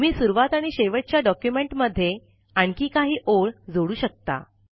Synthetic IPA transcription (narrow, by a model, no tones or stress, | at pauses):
miːsuɾʋat̪aɽ̃iɕeʋəʈ̚t͡ɕjaɖɔkjumeɳʈməd̪ʱːje | aɳkiːkaɦiːʔoɭd͡zoɽuːɕək̚t̪a̰